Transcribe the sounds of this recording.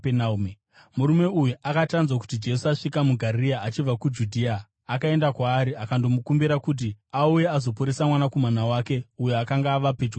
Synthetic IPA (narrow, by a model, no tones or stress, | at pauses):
nam | muɾume̞ujuʔakatanzwak̬u̥tid͡ʒe̞suaʂikamuɡʱariaat͡ʃib͡vakud͡ʒudʱiːaː | kae̞ndakwaːɾiakando̞mukumbiɾakut̬iauje̞azo̞puɾesamwanakomanawake̞ujoakaŋɡaːʋaped͡ʒwa